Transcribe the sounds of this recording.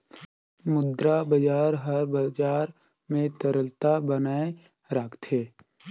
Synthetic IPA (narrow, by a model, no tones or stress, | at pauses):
mʊd̪ɾabəd͡ʒaːɾɦəɾbəd͡ʒaːɾ | mẽt̪əɾəlt̪abənaːe | ɾakʰt̪ʰeː